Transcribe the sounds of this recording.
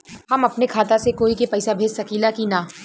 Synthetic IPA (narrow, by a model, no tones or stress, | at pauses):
hɐmɐpnekʰaːt̪asekoːikepɛːsabʱeːd͡ʒsɐkiːlakinaː